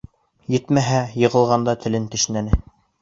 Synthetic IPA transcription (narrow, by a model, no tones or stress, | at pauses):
jɘt̪mæɦæjɤ̆ʁɤ̆lˠʁɑnd̪ɑt̪ʰɘ̆lɘnt̪ɘ̆ʃnænɘ